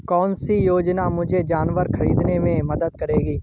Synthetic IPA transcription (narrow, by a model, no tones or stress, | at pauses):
kɔːnsijoːd͡ʒnamʊd͡ʒʱed͡ʒaːnʋəɾxɐɾiːd̪nemẽmɐd̪əd̪̚kɐɾeːɡiː